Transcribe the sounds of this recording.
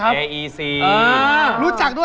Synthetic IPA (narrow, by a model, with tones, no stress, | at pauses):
a˦˥e˧˩ʔiː˧siː˧ʔəː˧ɾuː˦˥t͡ɕa˨˩k̚du˥˩